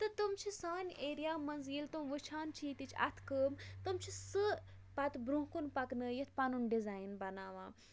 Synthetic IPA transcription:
t̪ɨt̪umt͡ʃʰisaːnʲeːɾijaːmɐnziːlt̪umʋɨt͡ʃʰaːnt͡ʃʰiːt̪it͡ʃʰɐ̰t̪ʰkəːmt̪ɨmt͡ʃʰisɨ | pɐt̪bɾũɦkunpɐknəːjət̪ʰpɐnunɖizaːjnbɐnaːʋã̰ː

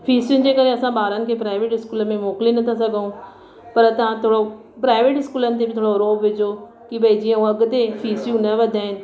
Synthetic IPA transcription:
fʰiːsjʊnɪ̆d͡ʑeːkɐɾeɐsãɓaːɾənɪ̆kʰeːpɾaːɪʋeːʈɪskuːləmẽmoːklinɐt̪ʰasɐɡʱəũ | pɐɾt̪ɐʋ̤ãt̪ʰoːɽo | pɾaːɪʋeːʈɪskuːlənɪ̆t̪̬ebʱɪt̪ʰoːɽoɾoːbʋɪd͡ʑʱo | kibʱɐid͡ʑijɐ̃ũɐɡt̪efʰiːsjũnɐʋɐd̪ʱaːɦɪnɪ̆

